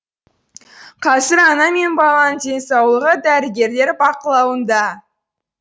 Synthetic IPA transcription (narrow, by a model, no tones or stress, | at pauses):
qʰɑsəɾɑnɑme̞nbɑlˠɑnze̞nsɑwlˠəʁəd̪æɾɪɡʲe̞ɾle̞ɾbɑqəlˠɑwənd̪ɑ